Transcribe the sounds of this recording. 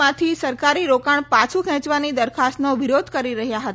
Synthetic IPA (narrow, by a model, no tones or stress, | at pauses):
ãt̪ʰisəɾkaɾiɾokaɳpat͡ʃʰukʰɛ̃t͡ʃʋanid̪əɾkʰast̪noʋɪɾod̪ʱkəɾiɾəɦjaɦət̪